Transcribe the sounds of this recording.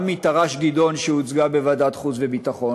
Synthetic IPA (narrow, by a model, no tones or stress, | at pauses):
mit̪aʁaʃɡido̞nʃeut͡sɡabevadat̪χut͡svebitaχo̞